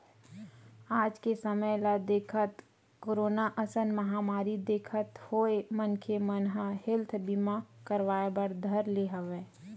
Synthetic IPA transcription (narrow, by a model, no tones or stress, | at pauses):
aːd͡ʒkesəməjlad̪eːkʰət̪ | koːɾoːnaʔəsənmɐɦaːmaːɾid̪eːkʰət̪hoːemənkʰemənɦahɪlt̪ʰbimakəɾʋaːebəɾd̪ʱɐɾleɦəʋeː